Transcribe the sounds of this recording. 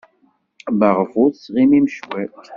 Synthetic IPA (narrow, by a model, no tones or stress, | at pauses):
baʁəfuθsʁimimʃwæ